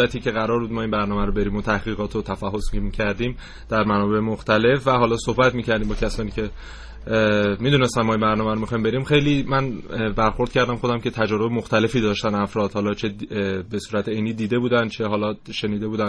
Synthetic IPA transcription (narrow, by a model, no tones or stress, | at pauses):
æt̪ʰiːcʰe̞ɣæɾɒːɾbuːd̪̚mɒːinbæɾnɒːmæɾobe̞ɾiːmot̪ʰæhɣiːɣɒːt̪ʰot̪ʰæfæɦːo̞simicʰæɾd̪iːm | d̪æɾmænɒːbe̞emoxt̪æle̞fvæɦɒːlɒːsohbæt̪miːcæɾd̪iːmbɒːcʲʰæsɒːniːcʰe̞ | miːd̪unest̪ænmɒːimbæɾnɒːmæɾomixɒːimbe̞ɾiːmxe̞jliːmænbæɾxo̞ɾd̪̥̚cʰæɾd̪æmχo̞d̪æmcʰe̞t̪ʰæd͡ʒɒːɾo̞bemoxt̪æle̞fiːd̪ɒːʃt̪ænæfɾɒːd̪̥hɒːlɒːt͡ʃʰe̞besuːɾæt̪ʰeeniːd̪iːd̪e̞buːd̪ænd̪t͡ʃʰe̞ɦɒːlɒʃe̞niːd̪e̞buːd̪æn